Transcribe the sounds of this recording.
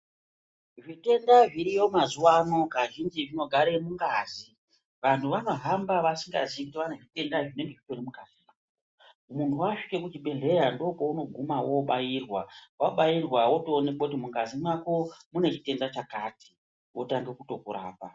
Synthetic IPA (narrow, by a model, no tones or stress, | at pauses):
ʐite̞ndaʐiɾijo̞mazuwano̞kaʒind͡ʒiʐino̞ɡʱaɾemuŋɡaːzi | ʋan̤ʰuʋano̞ɦambaʋasiŋɡa̰ziik̬utiʋaneʐite̞ndaʐine̞ŋɡe̞ʐit͡ʃonimukazi | muntʰuwaʂike̞kut͡ʃiɓe̞ɮe̞jando̞pouno̞ɡʱumawoɓajirwawaɓajirwawo̞toːne̞kakut̬imuŋɡazimwako̞mune̞t͡ʃite̞ndat͡ʃakati̥ | wʔotaŋɡe̞kuto̞kuɾa̰ːpa